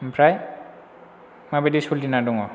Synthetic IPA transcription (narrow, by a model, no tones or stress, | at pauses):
pʰɾaj | mabedisuldinaduŋɔ